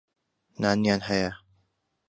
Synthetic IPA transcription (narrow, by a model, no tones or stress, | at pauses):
naːnjaːnhɛjɐ